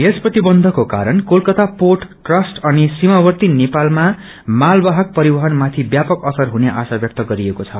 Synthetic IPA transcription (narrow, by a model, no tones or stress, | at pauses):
esprʌt̪ibʌnd̪ʱʌkoka̰ɾʌnkolkʌt̪apoʈː | rʌsʈʌnisimabʌrt̪inepalma | malbaɦʌk̚pʌɾibʌɦʌnmat̪ʰibjapʌkʌsʌrɦuneʔasabjʌk̚t̪ʌɡʌɾiekot͡sʰʌ